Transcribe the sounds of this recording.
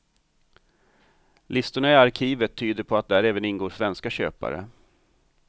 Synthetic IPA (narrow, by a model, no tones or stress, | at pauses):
lʔɪst̪ʊɳaɪaɾkʰiːvət̪ʰːyːd̪əɾpʰɔat̪̚d̪æɾɛːvənɪnɡoːʂvɛnskaɕø̰ːpa̰ɾə̰